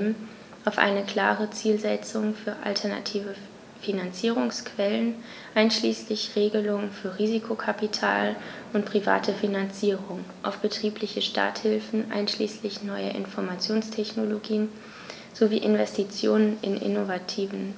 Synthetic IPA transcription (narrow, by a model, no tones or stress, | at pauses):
m̩ | ʔaʊfʔa̰ɪnəkl̥aːʁət͡siːlzɛt͡sʊŋfyːɐʔa̰ltʰɛɐna̰tʰiːvə | finant͡siːʁʊŋskʰv̥ɛlən | ʔaɪnʃliːslɪçʁeːɡəlʊŋənfyːɐʁiːzikʰokʰapitʰaːlʔʊntpʁ̥iva̰ːtʰəfinant͡siːʁʊŋʔa̰ʊfb̥ətʁ̥iːplɪçəʃta̰ːthɪlfn̩ʔa̰ɪnʃlḭːslɪçnɔʏə̰ʔɪ̰nfɔɐmat͡sjoːnstʰɛçnoloɡiːən | z̥ovḭːʔɪnvɛstit͡sjoːnənɪ̰nʔɪ̰novatʰiːvn̩